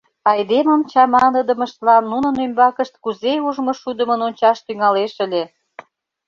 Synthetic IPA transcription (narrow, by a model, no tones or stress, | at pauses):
ɑjd̪emə̆mt͡ɕɑmɑnəd̪ə̆mə̆ʃt̪lɑnːunə̆nymbɑkəʃt̪̚kuzeuʒmɤ̆ʃud̪ə̆mənonʲt͡ɕɑʃt̪yŋɑleʃə̆lʲe